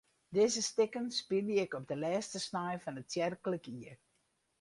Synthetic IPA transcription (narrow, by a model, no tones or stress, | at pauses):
dɪzəstɪkənspiləɪkɔb̚dəlɛːstəsnajfɑnəttjɛrkələkiər